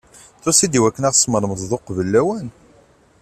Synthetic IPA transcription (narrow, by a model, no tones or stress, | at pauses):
θʊsid̪iwækːənæʁsməɾˤməzðoqvəlːæwæn